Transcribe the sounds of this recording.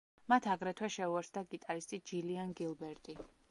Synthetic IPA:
mat̪ʰaɡɾɛt̪ʰwɛʃɛuɛɾsd̪aɡit̪ʼaɾist̪ʼid͡ʒilianɡilˠbɛɾt̪ʼi

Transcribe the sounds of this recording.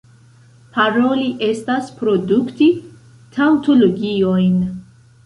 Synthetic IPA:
pʰaɾo̞liʔe̞staspɾo̞dukti | tʰanto̞loɡio̞jn

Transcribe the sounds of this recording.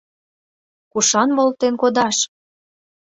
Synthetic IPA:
kuʃɑnmolt̪enkod̪ɑʃ

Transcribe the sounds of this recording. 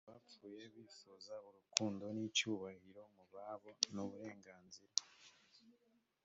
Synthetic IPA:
βap͡fuːje̞βiːfozauɾukuːndo̞nit͡ʃuːβahiɾo̞muβaβonuβuɾe̞ːŋɡaːnziɾa

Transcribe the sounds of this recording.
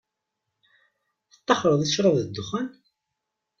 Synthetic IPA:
θə̥t̪ˤːɑχɾˤəðˤiθʃɾəvðəd̪ːʊχən

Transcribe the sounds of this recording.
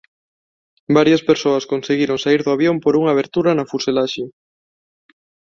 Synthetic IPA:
baɾjɐspeɾsoɐskonseɣiɾoŋsaiɾðʊaβjompoɾuŋaːβ̞eɾt̪uɾɐnɐfuselaʃe

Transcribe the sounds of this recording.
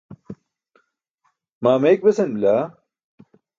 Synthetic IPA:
maːmɐjk̚bɐsɐnmilaː

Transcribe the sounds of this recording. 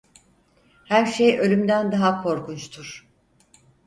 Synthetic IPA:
hæɾʃejʔø̞lʲymd̪ænd̪aɦakʰo̞ɾkʰunt͡ʃt̪ʰuɾ̥

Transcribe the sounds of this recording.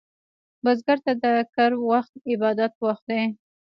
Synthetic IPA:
bazɡaɾt̪ad̪əkaɾwaxt̪̚ɪbɑd̪at̪̚waxt̪̚d̪ej

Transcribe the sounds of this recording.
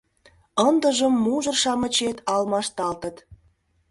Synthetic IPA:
ənd̪ə̆ʒə̆mːuʒɤ̆rʃɑmə̆t͡ɕet̪ɑlmɑʃt̪ɑlt̪ə̆t̪

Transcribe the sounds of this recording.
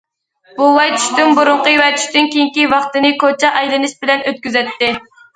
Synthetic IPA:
b̥uwɛjt̪ʰy̥ʃt̪ymbuɾʊɴqəjwɛt̪ʰy̥ʃt̪ynkʲejiŋkʲivɑχt̪ɨnɪkʰot͡ʃʰɛʔɑjlˠɨnɪʃbɪlɛnøt̪̚kʲyzɛt̪ʰːɪ

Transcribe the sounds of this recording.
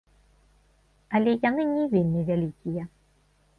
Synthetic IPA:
ɐlʲɛjanɨnʲɛvʲinːɨvʲalʲikʲijɛ

